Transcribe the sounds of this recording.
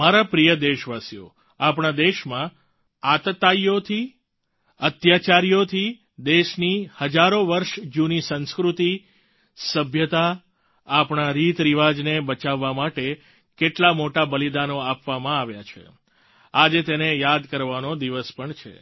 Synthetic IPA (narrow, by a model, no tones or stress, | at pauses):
maɾapɾijəd̪eʃʋasijo̰ | apɳ̃ad̪eʃmã | at̪t̪ajjot̪ʰi | ət̪jat͡ʃaɾijot̪ʰi | d̪eʃnihəd͡ʒaɾoʋəɾʃd͡ʒunisə̃nskɾut̪i | səbʱjət̪aː | pɳ̃aɾit̪ɾiʋad͡ʒnebət͡ʃaʋːamaʈe | keʈlamoʈabəlid̪anoapʋamãaʋjat͡ʃʰḛ | ad͡ʒet̪enejad̪kəɾʋanod̪iʋəspəɳt͡ʃʰḛ